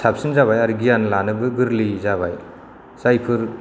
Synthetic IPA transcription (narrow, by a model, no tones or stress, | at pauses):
sap̚sinzaβajaɾɡijanlanɯbɯɡɯɾlizaβaj | z̥ajpʰɯɾ